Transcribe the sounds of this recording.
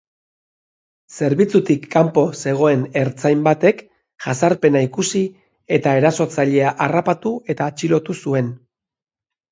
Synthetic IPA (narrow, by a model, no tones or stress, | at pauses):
se̞ɾβit͡sut̪ikːampo̞se̞ɣ̞o̞e̞ne̞ɾt͡sajmbat̪e̞k | ʝasaɾpe̞naikusi | e̞t̪ae̞ɾaso̞t͡saʎe̞aʔarapat̪ue̞t̪aːt͡ʃilo̞t̪usue̞n